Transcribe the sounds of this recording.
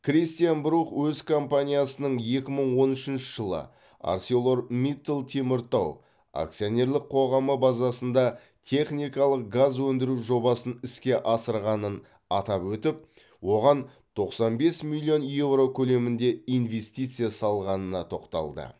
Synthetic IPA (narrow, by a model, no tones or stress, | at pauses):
krʲist̪ijanbɾuχwɵzkʰo̞mpanʲijasənəɴje̞kʲɪməɴwo̞nʏʃɪnʃɪ̥ʒəlˠə̰ | a̰rsʲeolˠo̞rmit̪ːlˠt̪ʰe̞mɪɾt̪ow | a̰k̚t̪sijo̞nʲe̞ɾlˠɪq̚qʰo̞ʁɑməbazɑsənd̪ɑ | t̪ʲʰe̞χnʲijkɑlˠəq̚ɡazwɵnd̪ɪɾuʒo̞bɑsənɪskʲe̞ʔɑsəɾʁɑnən | ɑt̪ɑpwɵt̪ɪp̚ | wo̞ʁɑn | t̪ʰo̞qsɑnbe̞smilʲːio̞nje̞vro̞kʲʰɵle̞mɪnd̪e̞ijnve̞st̪ijt̪sɨjasɑlˠʁɑnənɑt̪ʰo̞qt̪ɑ̰lˠd̪ə̰